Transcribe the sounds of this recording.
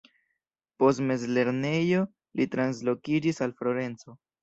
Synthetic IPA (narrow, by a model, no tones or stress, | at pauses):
po̞stme̞zle̞ɾne̞jo̞ | litɾans̬lo̞kid͡ʒisalflo̞ɾe̞nt͡so̞